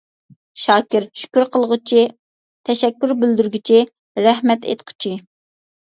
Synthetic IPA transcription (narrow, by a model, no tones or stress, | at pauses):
ʃɑːkʲɪɾʃy̥kʲyɾqʰəlˠʁʊt͡ʃʰi | t̪ʰɛʃɛkʲːyɾbyld̪yɾɡʲit͡ʃʰi | ɾæhmɛt̪ʰḛt̪qʰʊ̥t͡ʃʰi